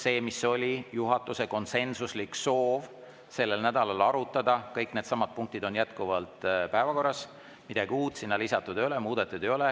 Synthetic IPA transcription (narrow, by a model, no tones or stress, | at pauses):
se̞ːmisːo̞lʲijuɦɑt̪ːˑuse̞ko̞nse̞nsuslikso̞ːv | se̞lːe̞lnæd̪̥ɑlɑlɑɾut̪ˑːɑd̪̥ɑkɤjkne̞d̪sɑmɑd̪̥̚puŋk̚t̪id̪o̞njæt̪kuvɑlt̪pæevɑko̞rːɑs | mid̪̥ɑɡiuːt̪ˑsinːɑlisɑt̪ːˑud̪̥ejolemuːd̪̥ɑt̪ːˑud̪ejo̞le